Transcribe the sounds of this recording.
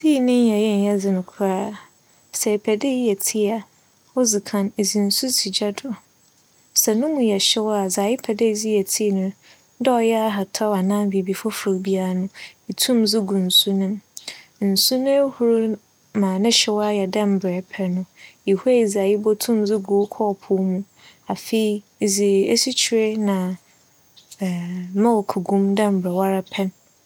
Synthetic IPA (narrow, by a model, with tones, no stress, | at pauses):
si˦˨nɪ̃˦n˦jɛ˨jɛ˦n̩˨jɛ˦d͡zɪ˨nʊ̃˨kʰʊ˦ɾaː˦ | sɛ˨pʰɛ˨de˦ji˦ɛ˨tʰi˦a˨ | ɔ˦zi˨kʰã˨ne˨zi˨n̩˨su˦si˨d͡ʑa˦dʊ˨ | sɛ˨nʊ̃˦mũ˨jɛ˨ɕɛ˦wɔ˦a˨zaː˨ji˦pʰɛ˨de˦˨d͡zi˦jɛ˨tʰi˦˨nʊ̃˦ | dɛ˦ɔ˨jɛ˦a˦ɦa˨tʰɔ˦a˨nãː˦bi˨bi˨fɔ˦fʊ˨ɾbi˦a˦ɾa˦nʊ̃˦i˨tʰũ˦md͡zɪ˦ɡũ˨n̩˨su˦nʊ̃˦mn̩˨su˦nʊ̃˦e˦hu˦ɾu˦ | mãː˨nɪ̃˦ɕɛ˦wa˦jɛ˨dã˦m̩˨bɾɛ˨pʰɛ˦nʊ̃˦i˨hu˦e˦i˨za˨ji˦bɔ˦tʰũ˦md͡zɪ˦ɡu˨˦kʰɔː˦˨pʰʊ˦mũ˦ | a˨fe˨i˦˨ | zi˨e˦si˦t͡ɕʰi˨ɾe˦nã˨ | mã˦wɔ˨kʰu˨ɡũ˦mdã˦m̩˨bɾɛ˨wa˦ɾa˦pʰɛ˦n